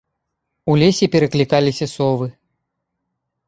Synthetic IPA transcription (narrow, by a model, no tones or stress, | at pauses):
ulʲesʲɛpʲɛɾɐklʲikalʲisʲɐsɔvɨ